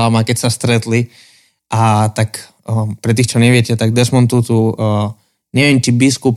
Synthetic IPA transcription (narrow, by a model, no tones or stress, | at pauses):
amakɛtʲsast̪ɾɛt̪li | ʔat̪ak | pɾɛt̪iːxt͡ʃɔnɛʋjɛtʲɛt̪aɡ̚d̪ɛsmɔnt̪uːt̪u | nɛʋɛnt͡ʃibiskup